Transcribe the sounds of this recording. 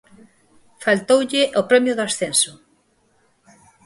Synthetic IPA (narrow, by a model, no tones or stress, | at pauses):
falt̪owʎɪʔopɾɛmjʊðoasθensʊ